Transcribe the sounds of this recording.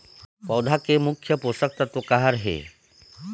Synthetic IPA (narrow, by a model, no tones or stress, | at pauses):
pɔwd̪ʱakemukʰːjəposək̚t̪at̪okaɦaɾɦḛ